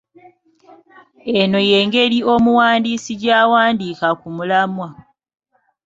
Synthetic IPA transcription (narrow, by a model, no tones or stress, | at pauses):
e̞no̞je̞ːŋɡe̞ɾio̞muwaːndiːsiɟaːwaːndiːkakumulamwa